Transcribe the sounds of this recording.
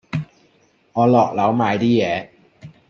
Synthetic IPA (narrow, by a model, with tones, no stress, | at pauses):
ŋɔː˨˧lɔː˨˩k̚la˨˥wmaː˨˧jt̪iː˥jɛː˨˧